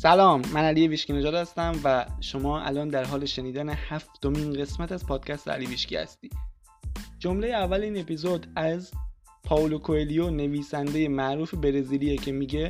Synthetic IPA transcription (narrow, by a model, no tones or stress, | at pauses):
sælɒːmːænælijeviːʃciːned͡ʒɒːd̪hæst̪æmvæʃo̞mɒːʔæ̰lɒːnd̪æɾɦɒːleʃe̞niːd̪ænehæft̪o̞miːnɢe̞smæt̪æz̥pʰɒːd̪̥̚cʰæst̪ḛæ̰liːviːʃcḭːhæ̰st̪iː | d͡ʒo̞mle̞jeævːæliːne̞pizod̪æz | pʰɒːlokʰoelijone̞viːsænd̪e̞je̞mæʔɾuːfe̞be̞ɾeziːlijecʰe̞miɟe̞